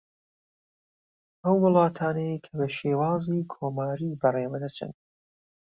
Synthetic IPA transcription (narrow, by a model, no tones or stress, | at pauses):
ʔɐwːɨlˠɑːt̪ʰaːnejkʰɐbɐʃeːwɑːziːkʰoːmaːɾiːbɐreːwɐd̪ɐt͡ʃʰɨ̰n